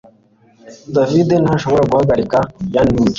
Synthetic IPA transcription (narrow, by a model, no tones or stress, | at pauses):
d̪avid̪enhaʃoβoɾaɡuhaɡaɾikajaniːɟe